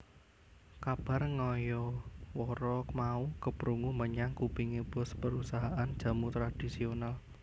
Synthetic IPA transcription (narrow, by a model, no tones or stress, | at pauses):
kab̥a̤rŋɔjɔwɔɾɔmaukəpɾuŋuməɲaŋkupiŋeb̥ɔ̤spəɾusaɦaʔand̥ʒ̥a̤mut̪ɾad̥isional